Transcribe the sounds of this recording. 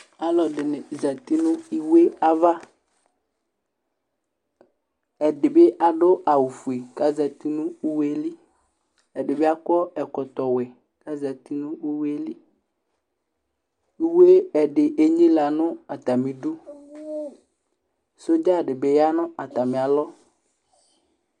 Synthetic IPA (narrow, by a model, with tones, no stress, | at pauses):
a˨lɔ˨ɖɪ˨nɪ˨za˨t̪i˦nʊ̃˦i˦we˦a˦va˦ | ɛ˨dɪ˨bɪ˦ʔa˨ɖʊ˦a˨wu˨fu˨e˨ka˦za˨t̪i˦nʊ̃˦i˦we˦li˦ | ɛ˨ɖɪ˨be˦a˦kɔ˦ɛ˨kɔ˨t̪ɔ˨wɛ˨ | ka˦za˨t̪i˦nʊ̃˦i˦we˦li˦ | i˦we˦ɛ˨ɖɪ˨ʔe˦ɲĩ˦la˨nʊ̃˦a˨t̪a˨mĩ˨ɖʊ˦ | so˦d͡ʒa˦˨ɖɪ˨bɪ˨ja˦nʊ̃˦a˨t̪a˨mɪ̃˨a˨lɔ˦